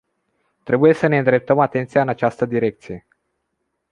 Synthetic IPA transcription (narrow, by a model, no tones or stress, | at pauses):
t̪ɾe̞buje̞səne̞ɨnd̪ɾe̞p̚t̪əmat̪e̞nt̪sijaɨnat͡ʃast̪əd̪iɾe̞k̚t̪sije